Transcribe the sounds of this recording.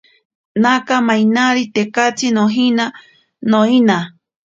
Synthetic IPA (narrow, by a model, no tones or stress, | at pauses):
nãkamãj̃naɾit̪ekat͡sinõɦĩna | nõinã